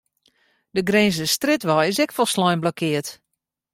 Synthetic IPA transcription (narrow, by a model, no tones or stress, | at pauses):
dəɡrenzəstrɪtʋɔjɪsɛkfɔlˠslɔjnblɔkʰɪət